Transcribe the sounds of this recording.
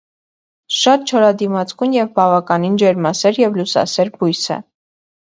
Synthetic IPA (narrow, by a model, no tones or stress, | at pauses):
ʃɑt̪̚t͡ʃʰɔɾɑd̪imɑt͡skunjɛvbɑvɑkɑnind͡ʒɛɾmɑsɛɾjɛvlusɑ̰sɛɾbujsə̰